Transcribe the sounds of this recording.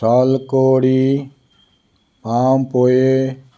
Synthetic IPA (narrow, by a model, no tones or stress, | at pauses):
saːlkoːɽi | paːmpoːe